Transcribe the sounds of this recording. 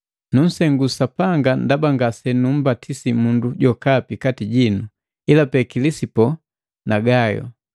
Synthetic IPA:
nun̩sɛŋɡusapaŋɡandabaŋɡasɛnum̩batʰisimunduɟɔkapikatiɟinu | ilapɛkilisipɔ | naɡajɔ̰

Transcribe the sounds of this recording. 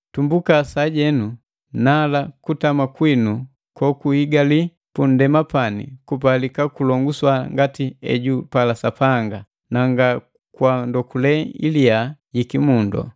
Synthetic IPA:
tumbukasaɟɛnu | nalakutamakwinu | kɔkuhiɡali | pun̩dɛmapanḭkup̬alikakulɔŋɡuswaŋɡatiɛ̰ɟupalasapaŋɡa | naŋɡa | kwandɔkulɛḭliajikimundɔ̰

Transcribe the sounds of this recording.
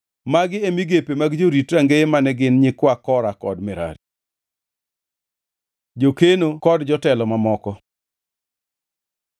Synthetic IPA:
maɡɪemiɡepemaɡd͡ʒoɾitɾaŋɡeemanɛɡɪnɲɪkwakɔɾakɔdmɛɾa̰ɾ | d͡ʒokenokɔdd͡ʒɔtɛlɔmamɔkɔ

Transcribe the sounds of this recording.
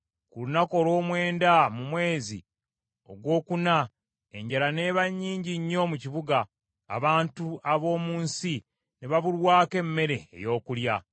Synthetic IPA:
kulunako̞lo̞ːmwe̞ːndamumwe̞ːzḭ | o̞ɡwo̞ːkuna | e̞ɲɟalane̞ːβaɲːiːɲɟiɲːo̞muciβuɡa̰ː | βaːntuaβo̞ːmuːnsi | neβaβuɾwaːke̞mːe̞ɾe̞̰ːjo̞ːkulja

